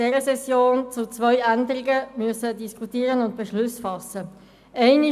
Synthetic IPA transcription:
ɛɾəsɛsjoːnt͡sʊt͡svœʏændəʁɪɡəmyəsədiskʰutiːʁənʊnt̚b̥ɛʃlʊsfɑsːə | ʔɛɪni

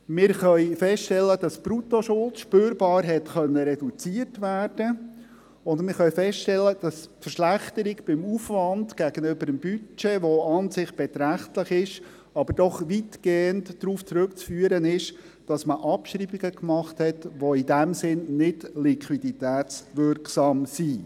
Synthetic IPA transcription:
mɪːɾχœɥfɛstʃtɛlːədɑspɾutoʃʊlt͡sʃpøːɾbɑːɾɦɛtχœnːəɾɛdut͡siərtʋæːrd̥ə | ʊndmɪɾχœʏɥfɛsttɛlːəd̥ɑsfəɾʃlæχtəɾiɡb̥ɪmuːfvɑndɡ̥æɡ̥ənøbəɾəmb̥yt͡ʃeʋoɑnsɪχb̥ɛt̪ɾæχtləχɪʃ | ɑbəɾd̥ɔχʋitɡ̥eːəntdɾuːft͡sɾʉkt͡sfyːəɾənɪʃ | d̥ɑsməʔɑpʃɾiːbiɡəkmɑχthɛtʋoidæmsɪnnɪdlikʰʋiditæːt͡sʋʏɾksɑmsiː

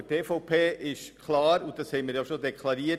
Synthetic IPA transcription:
əteːfɔʊpʰeːʔɪʃkʰlɑːɾʊnt̚d̥ɑshɛɪməɾjaʃodɛkʰlɑɾiːə

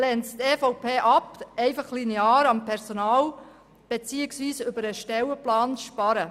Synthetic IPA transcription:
lɛnst̪eːfoʊpʰeːʔɑpɛɪfɑχlineɑːɾɑmpʰɛɾsonɑːl | b̥et͡siːəksʋiːsʏbəɾəʃtɛwəplɑːnʃpɑɾə

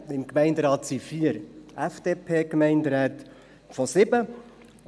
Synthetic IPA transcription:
ɪmkmɛɪndɾɑːt̪sifiəɾæfd̥eːpʰeːkmɛɪndɾɛːt̪ | fɔsɪbə

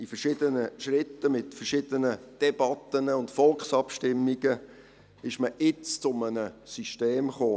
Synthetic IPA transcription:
ifərʃɪdənəʃrɪtːəmɪtfərʃɪdənəd̥ɛbɑt̪ːənəʊndfɔlksɑpʃtɪmːiɡə | ɪʃməʔɪt͡st͡sʊmənəsyʃteːmχoː

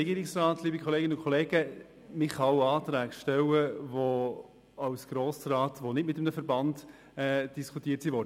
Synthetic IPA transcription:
ɛɡiːɾɪksrɑːtliːbikχɔleːɡɪnəʊnkʰɔleːɡə | mɪχɑwɑːtɾæːɡʃtɛwəvo | ɑwsɡ̥ɾoːsrɑːtʋonɪtmɪt̪əmnəfəɾbɑnd | ɛd̥iskʰutiːətsiʋɔɾdə

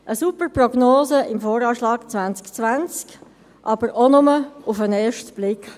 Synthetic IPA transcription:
ʔəsupərprɔɡnoːzəʔɪmfoːɾɑːʃlɑːkt͡sʋant͡skt͡sʋant͡sk | ʔɑb̥əɾonʊməʊfənɛːʃtb̥lɪk

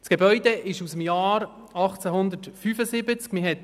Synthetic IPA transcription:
sɡ̥ebœʏd̪ɛʔɪʃusəmjɑːɾ | ɑχt͡sɛɦʊnd̪ətfyːfəsɪbət͡skmɪɦɛt

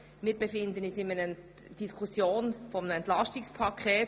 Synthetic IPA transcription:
mɪːɾbefɪnd̪ənysɪmənə | d̥iskʰusjoːnfɔmənəɛntlɑstɪkspʰɑkʰɛː

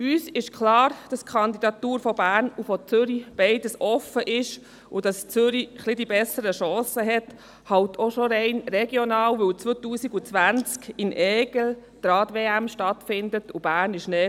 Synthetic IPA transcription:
yːsɪʃkʰlɑːɾd̥ɑskʰχɑnd̪idɑtuːɾfɔbæːɾnufɔt͡sʏɾib̥ɛɪdəsɔfəʔɪʃ | ud̥ɑst͡søɾiχlidibɛsəɾəʃɑːsəɦɛt | hɑwtʰoʃɔɾɛɪnrɛɡjɔnɑːwʋɵwt͡sʋot̪uːsiɡut͡sʋænt͡skɪnʔɛːɡ̥l̩ | d̥ɾɑːdʋeːæmʃtɑtfɪndətub̥æːrnɪʃnɛː

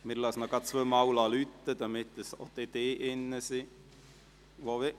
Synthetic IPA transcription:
mɪːɾlɑsnɔɡ̥ɑt̚t͡sʋømɑwlɑːlyt̪ːəd̥̪ɑmɪt̪dəsot̪id̪̥eːʔɪnːəsi | ʋoʋɪ

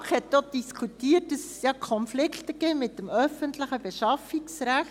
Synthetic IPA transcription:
χhɛtdod̥iskʰutiːətːəs | jɑkʰɔnflɪkt̪əɡeːmɪtdəmœfəntləχəb̥eʃɑfiksɾæx

